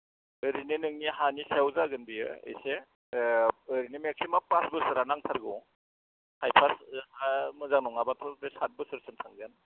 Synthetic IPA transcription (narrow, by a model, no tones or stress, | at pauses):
ɯɾinenɯŋnihanisewzaɡɯnbijɯ̰ḛjse | ɯɾinemek̚simapasbɯsɯɾanaŋtʰaɾɡɯ | hajpʰashamɯzaŋnɔŋabatʰɔdesat̚bɯsɯɾsɯntʰaŋɡɯn